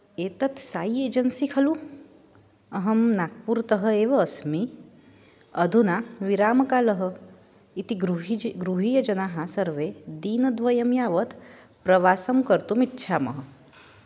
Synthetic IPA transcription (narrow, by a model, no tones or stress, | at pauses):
eːt̪ɐt̪ʰsaːieːd͡ʒɐnsikʰɐlu | ɐɦɐmnaːk̚puɾt̪ɐɦə̆eːʋɐːsmi | ɐd̪ʱunaʋiɾaːmkaːlɐɦə̆ | it̪iɾuɡɾuɦijɐd͡ʒɐnaːɦasɐɾʋed̪iːnɐd̪ʋɐjɐmjaːʋɐt̪ʰ | pɾɐʋaːsɐmkɐɾt̪umitːʃʰaːmɐ̰ɦə